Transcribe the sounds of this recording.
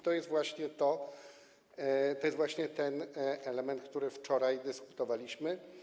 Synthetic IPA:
t̪ɔjɛst̪vwaɕɲɛt̪ɔ | t̪ɔjɛsvwaɕɲɛt̪ɛnɛlɛmɛnt̪̚k̚t̪uɾɘft͡ʂɔɾajd̪ɘsku̥t̪ɔvalʲiɕmɘ

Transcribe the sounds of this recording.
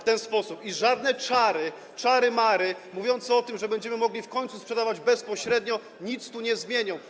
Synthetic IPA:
ft̪ɛnspɔsupiʐad̪nɛt͡ʂaɾɘ | t͡ʂaɾɘmaɾɘmuvʲjɔnt̪sɛɔt̪ɘmʐɛbɛɲd͡ʑɛmɘmɔɡlʲifkɔɲʲt̪suspʂɛd̪avad͡ʑbɛspɔɕɾɛd̪ɲɔ | ɲit̪st̪uɲɛzmʲjeɲɔ̃w̃

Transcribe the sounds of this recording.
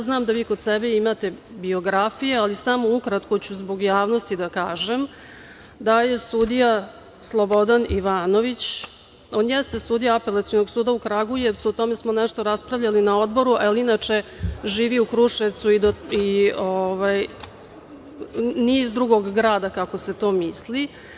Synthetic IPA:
aznaːmd̪aʋiːkod̪sebeimat̪e̞bio̞ɡɾafije̞alisamoukɾat̪kot͡ɕuzbo̞ɡjaːʋno̞st̪id̪akaːʒem | d̪aje̞sud̪ija | slˠobo̞d̪aniʋaːno̞ʋit͡ɕ | o̞ːnjɛst̪e̞suːd̪ijaapelˠat̪siono̞ɡsuːd̪aukɾaɡuje̞ʋt̪suut̪o̞me̞smo̞nɛʂt̪oɾaspɾavʎalinao̞d̪bo̞ɾuʔaelinat͡ʂe̞ʒiːʋiukɾuʂeʋt̪suid̪oioʋaj | nizd̪ɾuɡo̞ɡːɾaːd̪akako̞se̞t̪o̞ːmisli

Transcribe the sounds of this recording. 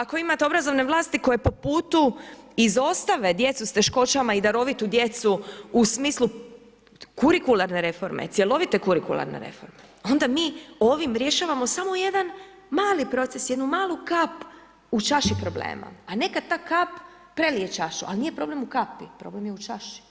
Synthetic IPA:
ako̞imat̪eo̞bɾazo̞ʋne̞ʋlaːst̪iko̞jepo̞puːt̪uizo̞st̪aʋe̞d̪je̞t̪sust̪e̞ʃko̞t͡ɕamaid̪aɾo̞ʋit̪ud̪je̞t̪suusmiːslu | kuɾikulaɾne̞ɾe̞fo̞ɾmḛt̪sʲje̞lˠo̞ʋit̪e̞kuɾikulˠa̰ɾnḛɾe̞̰fo̞̰ɾmeo̞nd̪amiːo̞ʋimɾje̞ʃaːʋamo̞samo̞je̞d̪an | maːlipɾo̞t̪sesjed̪numaːlˠukap | ut͡ʃaʃipɾo̞blḛːma̰ane̞kad̪̚t̪aːkapː | ɾe̞lijet͡ʃaʃṵʔa̰lnijepɾo̞ble̞mukapipɾo̞ːble̞mjeut͡ʃaʃi̥

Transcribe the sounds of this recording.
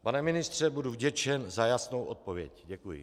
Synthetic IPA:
panɛmɪnɪst̪r̝̥ɛbuduvɟɛt͡ʃɛnzajasnowʔot̪̚po̞vjɛ̰cɟɛkujɪ̰

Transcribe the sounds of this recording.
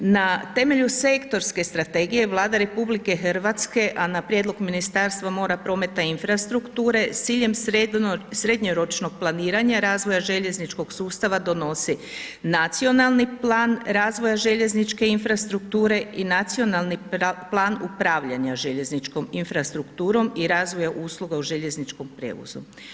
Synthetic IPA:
nat̪e̞me̞ʎuse̞kt̪o̞ɾske̞st̪ɾat̪e̞ɡije̞ʋlˠaːd̪aɾe̞publike̞xrɾ̩ʋat̪ske̞ʔanapɾjed̪lˠo̞ɡminist̪aːɾst̪ʋamo̞ːɾapɾo̞ːme̞t̪ainfɾast̪ɾukt̪uːɾe̞siːʎe̞m | sɾe̞d̪ɲoɾo̞t͡ʃno̞ɡ̥̚plˠaniːɾaɲaɾaːzʋo̞jaʒe̞ʎe̞znit͡ʃko̞ɡ̥suːst̪aʋad̪o̞no̞si | nat̪sio̞nalˠniplaːnɾaːzʋo̞jaʒe̞ʎe̞znit͡ʃke̞infɾast̪ɾuk̚t̪uːɾe̞inat̪sio̞nalˠniplˠaːnupɾaːʋʎaɲaʒeʎe̞znit͡ʃko̞minfɾast̪ɾukt̪uːɾo̞miɾaːzʋo̞jaʔuːslˠuɡauʒe̞ʎe̞znit͡ʃko̞mpɾḛːʋo̰zṵ

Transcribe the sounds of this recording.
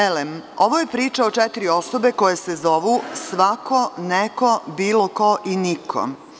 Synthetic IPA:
elemo̞ʋoje̞pɾiːt͡ʃaot͡ʃɛt̪iɾio̞so̞be̞ko̞je̞sezo̞ʋusʋakʰo̞neko̞biːlo̞ko̞ʔinikʰo̰

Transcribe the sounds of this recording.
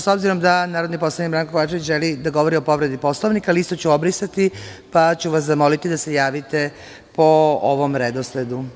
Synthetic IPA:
so̞bziɾo̞md̪anaːɾod̪nikpo̞slonikbɾaŋkokʋat͡ʃeʋit͡ɕʒelid̪aɡo̞ʋo̞ɾio̞po̞ʋɾe̞d̪ipo̞slˠoʋnikaliist̪o̞t͡ɕuobɾisat̪ipat͡ɕuʋaszamo̞lit̪id̪ase̞jaːʋit̪e | pooʋo̞mɾed̪osled̪u

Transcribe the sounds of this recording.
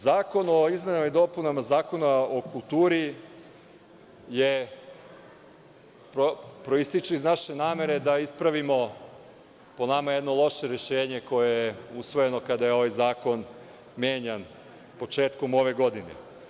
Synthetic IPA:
zaːko̞no̞izme̞namaid̪o̞punamazaːko̞naokulˠt̪uːɾi | je | popɾo̞ist̪it͡ʃuiznaʃe̞naːme̞ɾe̞d̪aispɾaʋimo̞ | po̞namaje̞d̪no̞lˠo̞ʃeɾe̞ʃe̞ːɲe̞ko̞jejeusʋo̞je̞no̞kad̪ajeo̞ʋajzaːko̞n | mʲjeːɲan | po̞t͡ʃe̞ːt̪ko̞mo̞ʋeɡo̞d̪inḛ

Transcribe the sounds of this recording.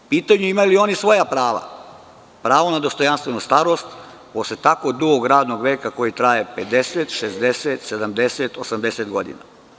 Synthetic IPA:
piːt̪aɲuimajulio̞nisʋo̞japɾaːʋa̰ | pɾaːʋo̞nad̪o̞st̪o̞janst̪ʋe̞nust̪aɾo̞st̪ | poslet̪akod̪uɡoɡɾaːd̪no̞ɡʋeːkako̞jit̪ɾajeped̪eset̪ʃezd̪eset̪sed̪amd̪eset̪osamd̪eset̪ɡo̞d̪ḭna̰

